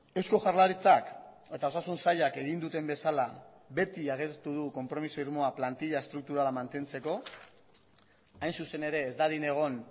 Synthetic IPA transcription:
e̞wsko̞ʝaɾlaɾit͡sak | e̞t̪ao̞sasunsaʎake̞ɣind̪ut̪e̞mbe̞sala | be̞t̪iaɣ̞et̪uð̞uko̞mpɾo̞miso̞iɾmo̞aplant̪iʎae̞st̪ɾuk̚t̪uɾalamant̪e̞nt͡se̞ko̞ | ajnsuse̞ne̞ɾe̞ːzd̪aðine̞ɣ̞o̞n

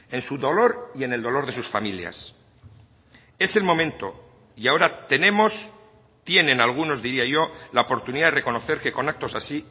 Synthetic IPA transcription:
e̞nsuðo̞lo̞ɾie̞neld̪o̞lo̞ɾð̞e̞susfamilja̰s | e̞se̞lmõ̞mẽ̞nt̪o̞ | iao̞ɾat̪e̞nẽ̞mo̞s | t̪jenẽ̞nalɣ̞uno̞zðiɾiaʝo̞laopo̞ɾt̪uniðaðe̞re̞ko̞no̞θe̞ɾke̞ko̞nak̚t̪o̞sasi

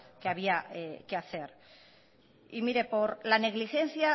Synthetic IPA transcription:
keaβ̞iaekeaθe̞ɾ | imiɾe̞po̞ɾlane̞ɣlixe̞n̟θja

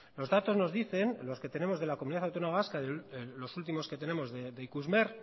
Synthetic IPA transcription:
lo̞zðat̪o̞zno̞zðiθe̞nlo̞ske̞t̪e̞ne̞mo̞zð̞e̞lakomuniðaθawt̪onomaβaskaðelo̞sult̪̬imo̞ske̞t̪e̞ne̞mo̞zðed̪eikuzmeɾ

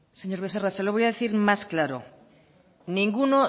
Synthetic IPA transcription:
seɲoɾβeθerasaloβojaðeθiɾmasklaɾo̰ | nĩŋɡuno

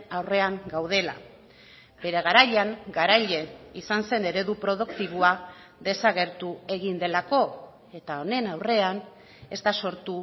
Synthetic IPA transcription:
awre̞aŋɡawð̞e̞la̰ | be̞ɾe̞ɣ̞aɾaʎaŋɡaɾaʎe̞isanse̞ne̞ɾe̞ðupɾo̞ð̞ukt̪iβua | ðe̞saɣe̞ɾt̪ue̞ɣ̞ind̪e̞lako̞ | e̞t̪ao̞ne̞nawre̞an | e̞zt̪aso̞ɾt̪u

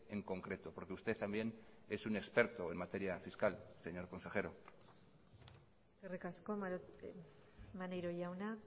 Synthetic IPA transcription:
e̞ŋko̞ŋkɾe̞t̪opo̞ɾke̞ust̪et̪ːambje̞ne̞sune̞kspe̞ɾt̪oe̞nmat̪e̞ɾiafiskalse̞ɲo̞ɾko̞nse̞xe̞ɾo | eskerikasko̞ | manejɾoʝawna

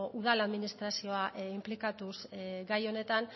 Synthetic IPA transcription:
ʔuð̞alaðminist̪ɾasio̞aʔimplikat̪usɡajo̞ne̞t̪an

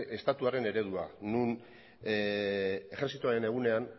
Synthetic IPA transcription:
e̞st̪at̪uaɾe̞ne̞ɾe̞ðuanun | e̞xeɾsit̪uaɾe̞ne̞ɣ̞une̞an

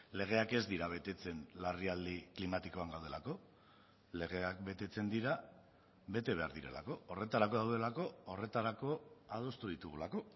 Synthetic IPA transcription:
le̞ɣ̞e̞ake̞zd̪iɾaβe̞t̪e̞t͡se̞nlariald̪iklimat̪iko̞aŋɡawð̞elako̞ | le̞ɣ̞e̞akbe̞t̪e̞t͡se̞nd̪iɾa | βe̞t̪e̞βe̞a̰ɾðiɾe̞̰la̰ko̞ore̞t̪aɾako̞ðawð̞e̞lako̞ore̞t̪aɾako̞að̞o̞st̪uð̞it̪uɣ̞ulako̞

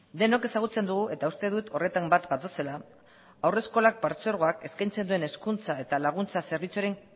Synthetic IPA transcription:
d̪e̞no̞ke̞saɣ̞ut͡se̞nd̪uɣ̞uʔe̞t̪aust̪e̞ð̞ut̪o̞re̞t̪ambat̪ɡat̪ose̞la | awre̞sko̞lak̚paɾt͡sɾɣ̞o̞ake̞skajnt͡se̞nd̪ue̞ne̞skunt͡sae̞t̪alaɣ̞unt͡sase̞ɾβit͡suaɾe̞ŋ

